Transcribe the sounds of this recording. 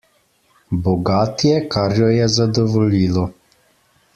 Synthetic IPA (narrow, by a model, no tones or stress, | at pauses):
bɔɡaːt̪jɛkaɾjɔjɛzad̪ɔʋɔliːlɔ